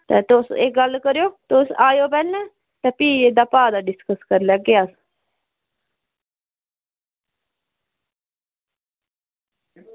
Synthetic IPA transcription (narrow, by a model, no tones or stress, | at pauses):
t̪ɛ̰ːt̪osḛkɡəlːkəɾjoːt̪osaːjoːpɛːlnɛː | t̪ɛːpiːed̪aːpaːd̪aːɖɪskəskəɾlɛɡeaːs